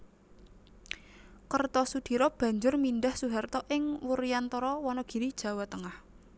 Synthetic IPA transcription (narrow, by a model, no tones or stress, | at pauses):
kərt̪ɔsud̪̥i̤ɾɔb̥ä̤ɲd͡ʒʊrmindahsuɦart̪ɔʔɪŋwuɾijant̪ɔɾɔwɔnɔɡ̥i̤ɾid̥ʒ̥ä̤wat̪əŋah